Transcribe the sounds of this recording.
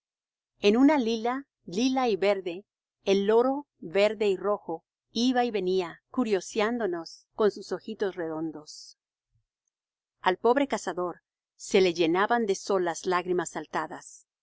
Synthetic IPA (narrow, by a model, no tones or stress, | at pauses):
enunalila | lilaiβe̞ɾðe̞ː | lːo̞ɾo̞ | βe̞ɾðe̞iro̞xo̞ | iβaiβe̞niakuɾjo̞sjand̪o̞no̞sko̞nsuso̞xit̪o̞sre̞ðo̞nd̪o̞s | alpo̞βɾe̞kasaðo̞ɾ | se̞le̞ʝe̞naβand̪e̞so̞laslaɣɾimasalt̪aðas